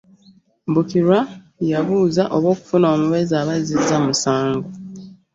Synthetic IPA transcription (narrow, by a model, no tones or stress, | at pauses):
mbukiɾwa | jaβuːzaʔo̞βwo̞ːku̥funo̞ːmuβe̞zaβazizamusaːŋɡo